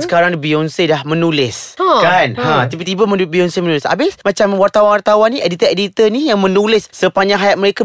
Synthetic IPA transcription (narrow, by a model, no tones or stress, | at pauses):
sə̥kaɾaŋdbiɔnsedahmə̃nulɪskanhãt̪ibət̪ibaməbiɔnsemənulɪsa̰bɪsmat͡ʃamwart̪awanwart̪awanːiʔɛdit̪əedit̪ənijaŋmə̃nulɪsːəpaɲaɦajat̪̚məɾeka